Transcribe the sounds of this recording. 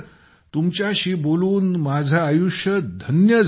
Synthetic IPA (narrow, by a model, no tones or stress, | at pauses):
t̪umt͡ɕjaɕiːboluːnmad͡zʱaːjuʂjəd̪ʱənjəd͡z